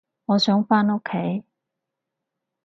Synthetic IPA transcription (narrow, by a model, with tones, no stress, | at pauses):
ŋɔː˨˧sœː˨˥ŋfaː˥no˥kʰːe˨˥j